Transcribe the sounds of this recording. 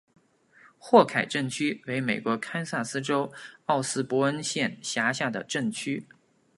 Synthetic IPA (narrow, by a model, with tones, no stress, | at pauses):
xwɔ˥˩kʰa˨˩ɪʈ͡ʂə˥˩ŋt͡ɕʰy˥we˧˥ɪme˨˩ɪkwɔ˧˥kʰa˥nsa˥˩sɹ̩˥ʈ͡ʂo˥ʊɑ˥˩ʊsɹ̩˥pwɔ˧˥ə˥nɕjɛ˥˩nɕja˧˥ɕja˥˩d̪ə̰˩ʈ͡ʂə˥˩ŋt͡ɕʰy˥